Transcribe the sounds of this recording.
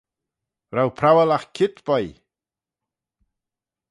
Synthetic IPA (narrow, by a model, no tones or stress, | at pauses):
ɾawpʰɾawəlaxkʰɪt̪b̥ɔj